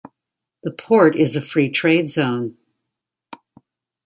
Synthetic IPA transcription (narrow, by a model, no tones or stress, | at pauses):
ðəpʰɔɹɾɪzɨfɹitʰɹ̥eɪdzõʊ̃n